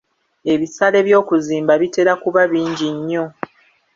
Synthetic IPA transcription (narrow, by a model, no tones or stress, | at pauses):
e̞βisale̞βjo̞ːkuziːmbaβite̞ɾakuβaβiːɲɟiɲːo̞